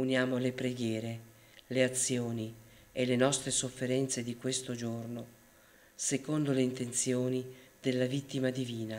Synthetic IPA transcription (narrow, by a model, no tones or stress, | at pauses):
unjaːmolepɾeɡjɛːɾe | leat̪sːjoːni | elenɔst̪ɾesofːeɾɛnt̪sed̪ikwest̪od͡ʒorno | sekond̪oleint̪ent̪sjoːnid̪elːavit̪ːimad̪iviːna